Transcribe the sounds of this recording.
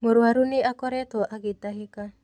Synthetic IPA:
moɾuaɾuniʔakoɾet̪oʔaɡit̪aɦika

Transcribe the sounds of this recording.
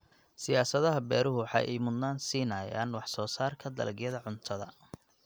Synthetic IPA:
sɪjaːsɐðɐɦɐbɛːɾʊɦʊwɑħɑ̰jʔɛjmʊd̪naːnsiːnɐːja̰ːnwɑħsɔːsaːrkʰɐd̪ɐ̰lɐɡjɐðɐʕʊnt̪ʰɐðɐ̰

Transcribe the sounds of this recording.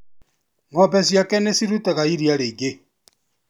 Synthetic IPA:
ŋɔpɛsjakɛnesiɾutɛɣaiɾiaɾeɡe

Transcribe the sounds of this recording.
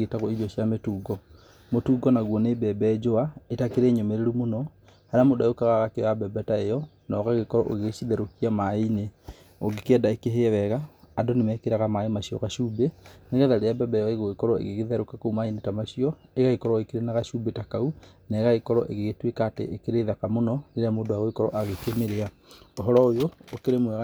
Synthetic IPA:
etaɣɔid͡ʒɔɕjametuːɡɔ | motuːɡɔnaɣwɔnebɛbɛd͡ʒoaetakeɾeɲomeɾeɾumonɔ | haɾamodaokaɣaɣakeabɛbɛtaejɔ | nɔɣaɣekɔɾɔʔoɣeɕiðɛɾokiamaine | oɡekɛdaekeɦeɛwɛɣaːdonemɛkeɾaɣamaemaɕiɔ̰ɣaʃubeneɣɛðaɾeabɛbɛjɔeɣoɣekɔɾɔḛɣeɣeðɛɾokakoumainetamaɕiɔeɣaɣekɔɾɔekeɾenaɣaʃubetakaunaeɣaɣekɔɾɔʔeɣeɣetwekaːtḛʔekeɾeðakamonɔneɾeamoːdoaɣoikɔɾɔ̰ʔaɣekemeɾea | oɦɔɾɔojoːkeɾemwɛɣ

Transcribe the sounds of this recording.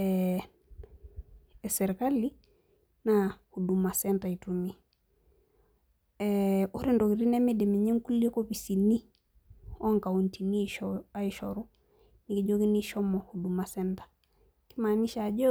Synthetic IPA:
ɛ | sɛɾikali | nahudumasɛntaitumi | ɛoɾindɔkiɾinɛmedemeɲɛŋkuliɛkoβisini | ɔŋkauntiniɔaiʃɔɾu | nikiʄokiniʃɔmɔhudumasɛntḁ | kimaːniʃad͡ʒɔ

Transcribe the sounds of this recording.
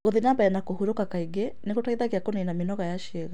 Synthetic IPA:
ɣoðenabaɛnakohuɾokakaiɡeneɣotaiðaɣeakonenamenɔɣajaʃiɛɣa

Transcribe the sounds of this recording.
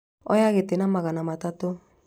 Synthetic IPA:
ɔ̰jaɣetenamaɣanamatato

